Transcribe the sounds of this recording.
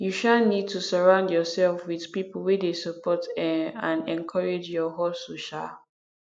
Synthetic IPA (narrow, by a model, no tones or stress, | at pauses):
juʃanid̚tusəɹãʊ̃ndjɔsɛlfwið̥pipəl̩wedesəpɔtɛãnɛ̃nkʰɔɹed͡ʒjɔɦɔsoʃa